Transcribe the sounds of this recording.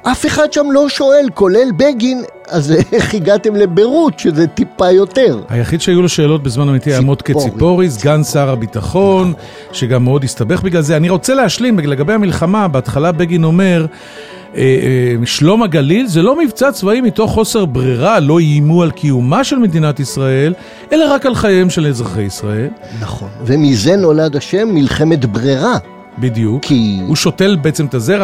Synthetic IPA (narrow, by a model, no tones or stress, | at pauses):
ʔafeχad̪ʃamlo̞ʃo̞e̞lkolelbeɡin | azχiɡat̪emlebeʁutʃezet̪ipajo̞teʁha̰jaχid̪ʃeajulo̞ʃe̞ːlo̞t̚bezmanamit̪iaamot̪ket͡sippo̞ʁis̬ɡansaʁabitaχo̞n | ʃeɡamːeo̞dist̪abe̞χbiɡlalzeaniʁo̞t͡se̞leaʃlimbele̞ɡabejhamilχamabeatχalabeɡino̞me̞ʁ | eʃlo̞maɡalilzelo̞mivt͡sat͡svaimit̪o̞χːo̞se̞ʁbʁiʁalo̞iːmualkʰiumaʃe̞lme̞d̪inat̪isʁae̞l | e̞laʁakalχajaemʃelezʁaχejisʁae̞lnaχonvemize̞no̞lad̪aʃe̞mːilχemet̪bʁiʁa | bid̪jukʰihuʃo̞te̞lbeet͡semt̪azeʁ